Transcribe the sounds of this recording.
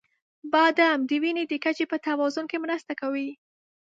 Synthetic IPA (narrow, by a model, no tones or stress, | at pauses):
bɑd̪amd̪əwined̪əkat͡ʃepət̪awɑzʊnkemɾast̪akawi